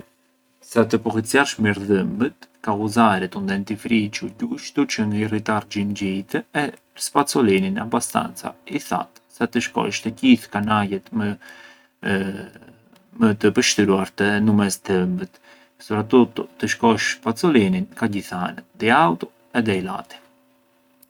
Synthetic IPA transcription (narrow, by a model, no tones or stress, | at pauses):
sat̪̬əpɔkit͡sjaʃmiɾðəmbət̪kauzaɾɛt̪und̪ɛnt̪ifɾit͡ʃuɟuʃt̪ut͡ʃəŋirit̪ard͡ʒinɟit̪əɛ | spat͡sɔlininabast̪a̰nt͡sa̰iθa̰t̪sat̪əʃkɔ̰ʃt̪əɟiθkanajɛt̪ | mət̪əpəʃt̪ɾuaɾt̪ɛnumɛsd̪əmbət̪ | spɾat̪ut̪ɔt̪əʃkɔʃspat͡sɔlininkaɟiθanəd̪iawt̪ɔ | ɛd̪ɛjla̰t̪i̥